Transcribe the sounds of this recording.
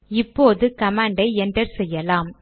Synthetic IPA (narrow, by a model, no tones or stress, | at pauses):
ɪpːoːðɯkɐmaːɳɖɐɪɛndrɐɾsɛjːɐlaːm